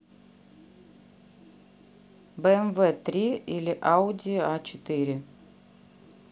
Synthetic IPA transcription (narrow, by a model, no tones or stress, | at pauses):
bəɛmvɛt̪ɾʲiilʲɪʔaʊdʲiat͡ɕɪt̪ɨɾʲɪ